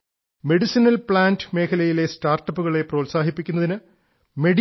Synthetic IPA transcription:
me̞ɽisinɐlpɭaːndme̞ːkʰɐlɐjile̞staːrʈːɐpːuɣɐɭe̞proːtsaːɦipːikʲːunːɐðinɨ | me̞ɽi

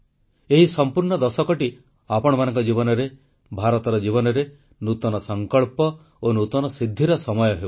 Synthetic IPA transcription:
eɦisɔmpuɾɳɔd̪ɔsɔkɔʈi | apɔɽ̃ɔmanɔ̃ŋkɔd͡ʒibɔnɔɾe | bʱaɾɔt̪ɔɾɔd͡ʒiβɔnɔɾe | nut̪ɔnɔsɔŋkɔɭpɔ | onut̪ɔnɔsid̪ʱːiɾɔsɔmɔjɔɦe

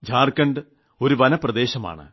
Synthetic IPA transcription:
d͡ʑʱaːrkɐɳɖɨ | o̞ɾuʋɐnɐprɐd̪e̞ːɕɐma̰ːɳɨ̰

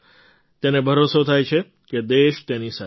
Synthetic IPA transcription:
t̪enebʱəɾosot̪ʰajt͡ʃʰe | ked̪eʃt̪enisa

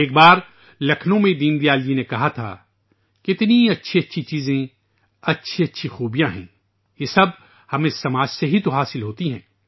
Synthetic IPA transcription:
eːk̚baːɾ | lɐkʰnõmẽd̪iːnd̪ijaːld͡ʒinekɐɦat̪ʰa̰ː | kɪt̪niɐtːʃʰiɐtːʃʰit͡ʃiːzẽ | ɐtːʃʰiɐtːʃʰixuːbijãɦɛ̰̃ː | jesɐb | hɐmẽsɐmaːd͡ʒseɦit̪oɦaːsɪlɦoːt̪iɦɛ̰̃ː

